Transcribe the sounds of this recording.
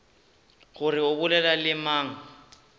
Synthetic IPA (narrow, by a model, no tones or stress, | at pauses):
ɣʊrɪʊbʊlɛlalɪmaːŋ̩